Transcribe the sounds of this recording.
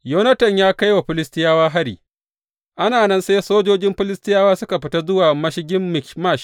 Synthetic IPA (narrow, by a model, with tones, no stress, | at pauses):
joː˦nɐ˦tɐ˨ɲjaː˦ka˦jwa˨ɸɪ˦lɪ˦stɪ˦jaː˦waː˦ɦa˦ɽḭː˨ | ʔa˦naː˨nɐ˦nseː˦soː˦d͡ʒoː˦d͡ʒɪ˦mɸɪ˦lɪ˦stɪ˦jaː˦waː˦sʊ˦ka˨ɸɪ˦ta˦zʊ˦waː˨mɐ˦ʃɪ˦ɡʲɪ˦mːɪ˨kma˦˨ʃ